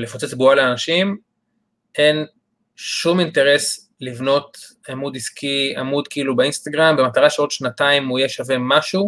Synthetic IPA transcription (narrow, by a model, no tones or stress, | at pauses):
lefot͡set͡sbualeanaʃim | en | ʃuminte̞ʁe̞s | livno̞t | amudiskʰia̰mudkiilubeinst̪aɡʁambemat̪aʁaʃeot̪ʃnataimuijeʃave̞maʃu